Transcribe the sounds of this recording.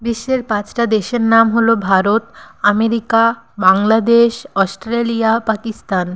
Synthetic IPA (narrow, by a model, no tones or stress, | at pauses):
biʃːeɾpãt͡ɕʈad̪eʃeɾnamɦolobʱaɾot̪ameɾika | baŋlad̪eʃɔsʈɾelijapakist̪an